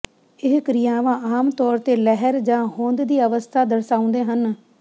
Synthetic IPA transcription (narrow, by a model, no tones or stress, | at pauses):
ɪɦkɾijãːʋãːaːmt̪ɔːɾt̪eːlɛɦəɾd͡ʒãːɦõːnd̪d̪iːəʋəst̪ʰaːd̪əɾsaːʊ̃nd̪eːɦən